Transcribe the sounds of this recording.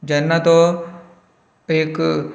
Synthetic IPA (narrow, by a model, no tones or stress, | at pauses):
d͡ʒɐnːat̪o | eːk